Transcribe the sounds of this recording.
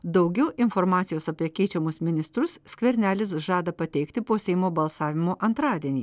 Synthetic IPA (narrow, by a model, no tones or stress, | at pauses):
d̪ɐʊɡʲɛʊʔɪnfɔɾmɑːt̪ʲɪjoːsɐpʲiɛkʲɛɪt͡ʃʲɛmʊsmʲɪnʲɪst̪ɾʊssʲkʲʋʲɛɾʲnʲæːlʲɪsʒɑːd̪ɐpɐt̪ʲɛɪkt̪ʲɪpoːsʲɛɪmoːbɐlˠsɑːʋʲɪmoːʔɐnt̪ɾɑːd̪ʲiɛnʲiː